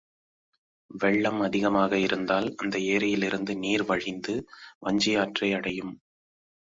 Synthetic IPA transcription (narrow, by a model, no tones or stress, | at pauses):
ʋɛɭːɐmɐðɪɣɐmaːɣɐɪɾɯnd̪aːlɐnd̪ɐeːɾɐjɪlɪɾɯnd̪ɯniːɾʋɐɻɪnd̪ɯʋɐɲd͡ʒɪjaːʈrɐɪɐɽɐjɯm